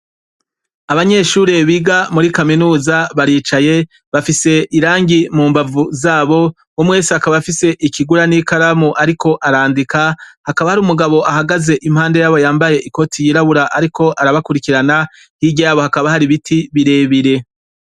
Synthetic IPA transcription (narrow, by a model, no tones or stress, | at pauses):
aβaɲe̞ʃuːɾe̞βiɡamuɾikaminuːzaβaɾiːt͡ʃaje̞ | βafise̞ʔiɾaːŋɡimuːmbavuzaːβo̞ | umwe̞ːsiakaβafise̞ʔikiɡuɾanikaɾamuʔaɾiko̞ʔaɾaːndikahakaβahaɾumuɡaβo̞ʔaɦaɡaze̞ʔim̥haːnde̞jaβo̞jaːmbaje̞ʔiko̞tʰijiːɾaβuɾaʔaɾiko̞ʔaɾaβakuɾikiɾana | hiɟaaβo̞hakaβahaɾiβitʰiβiɾe̞ːβiɾe̞